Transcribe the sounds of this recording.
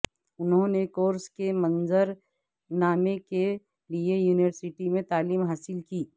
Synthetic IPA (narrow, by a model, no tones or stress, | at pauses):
ʊnɦõnekoːɾskemɐ̃nzəɾ | naːmeke | liejuːnɪʋəɾsɪʈimẽt̪aːliːmɦaːsɪlkiː